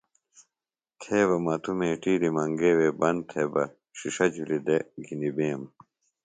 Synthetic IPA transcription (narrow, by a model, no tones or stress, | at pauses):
t̪ʰeːβɐmɐt̪ʰumeːʈiːɾimɐŋɡeːwebɐnt̪ʰebɐ | ɕiʂɐd͡ʑulid̪eɡʱinibeːm